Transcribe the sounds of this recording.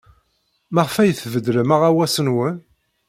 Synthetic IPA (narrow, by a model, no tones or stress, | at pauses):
mæʁəfæjəθvəd̪ləmaʁæwæsənwən